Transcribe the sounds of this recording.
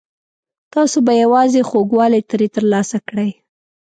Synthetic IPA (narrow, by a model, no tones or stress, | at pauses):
t̪ɑsobajawɑzexoɡwɑlet̪ɾet̪əɾlɑsakɽəj